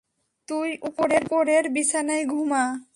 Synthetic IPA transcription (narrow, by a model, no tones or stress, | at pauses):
t̪ujʔupoɾeɾpoɾeɾbisʰanajɡʱuma